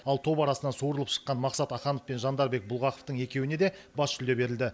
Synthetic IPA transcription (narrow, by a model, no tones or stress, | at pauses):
ɑlˠt̪ʰo̞pɑɾɑsənɑnsuɾəlˠəpʃə̥qːɑnmɑqsɑt̪ɑχɑnofpe̞nʒɑnd̪ɑɾbe̞k̚bʊlˠʁɑqoft̪əɴe̞kʲe̞wɪne̞d̪e̞bɑst̪ʰʏld̪e̞be̞ɾɪld̪ɪ